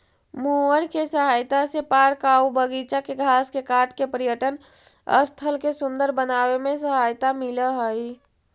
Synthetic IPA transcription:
muəɾkesəɦajt̪asepaɾkaubəɡit͡ʃakeɡʱaːskekaʈkepəɾijəʈən | ə̰st̪ʰəlkesʊnd̪əɾbənawemẽsəɦajt̪amiləɦəi

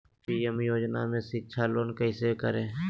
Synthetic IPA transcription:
piːemjoːd͡ʒna̰mẽsɪtːʃʰaloːnkəɪsekəɾẽː

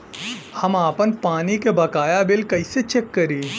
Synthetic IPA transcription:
hɐmaːpənpaːnikebɐkaːjabɪlkɐɪset͡ʃekːɐɾiː

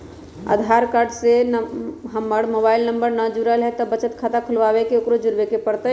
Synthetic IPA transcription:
ə̰d̪ʱaɾkaɾɖsenɦəmːəɽmobailnəmbəɾnad͡ʒuɾəlɦɛt̪ɔbət͡ʃət̪kʰat̪akʰulʋabekeokɾod͡ʒuɾbekepəɽt̪ə

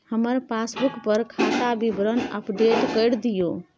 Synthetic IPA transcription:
həməɾpasbukpəɾkʰat̪abibɾənə̰pʰɖeʈkəjɾd̪ijo

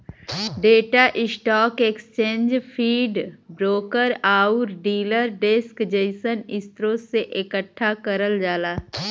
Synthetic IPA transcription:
ɖeːʈaʔɪsʈɔːkekst͡ʃẽːnd͡ʒpʰiːɖbɾoːkəɾaːʊɾɖiːləɾɖeːskd͡ʒeɪsənɪst̪ɾõseʔɪkəʈʰːakəɾəld͡ʒaːlaː

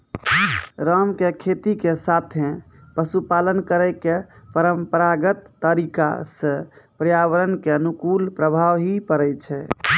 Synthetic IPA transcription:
ɾəmkekʰet̪ikesat̪ʰẽ | pəsupalənkəɾəɪkepəɾəmpəɾaɡət̪ːəɾika̰sə̃pɾjaʋəɾənkeənukulpɾəbʱaʋɦipəɾɛjt͡ʃʰɛ

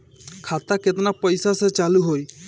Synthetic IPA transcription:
kʰat̪aket̪napəjsaset͡ʃaluɦoj

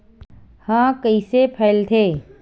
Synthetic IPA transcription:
hãːkəisepʰɛːlt̪ʰeː

